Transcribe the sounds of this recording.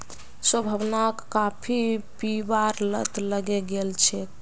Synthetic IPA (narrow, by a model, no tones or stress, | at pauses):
swəbʱəbnakːapʰipibaɾlət̪ləɡɛɡelt͡ʃʰɛk